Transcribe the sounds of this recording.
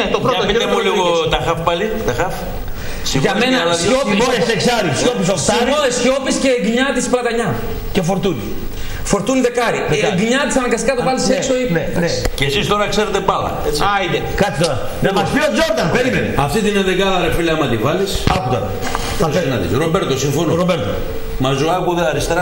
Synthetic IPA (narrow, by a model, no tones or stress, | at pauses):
et̪opɾotɐoiemuliɣot̪ɐxɐfpɐlit̪ɐxɐf | siɣʝɐmenɐɐsopioeseksɐɾisopisot̪ɐmosçopisceːɡɲɐt̪isplɐt̪ɐɲɐ | cefoɾt̪unḭ | foɾt̪uniðekɐɾieɡɲɐt̪isɐnɐkɐskɐt̪ovɐliseksoineɐ̰nei̥cesist̪oɾɐkseɾet̪epɐlɐ̰et͡sait̪ekɐt͡sit̪oɾɐ̰ | nemɐspiɐt̪zoɾd̪ɐnpeɾimenɐft̪it̪ineðeɡɐðɐɾefileɐmɐt̪ivɐlisɐput̪ɐ̰ | t̪ɐsenɐðḭsɾobeɾt̪osiɱfonɾobeɾt̪o̰ | mɐzuɐkuðeɐɾist̪ɾɐ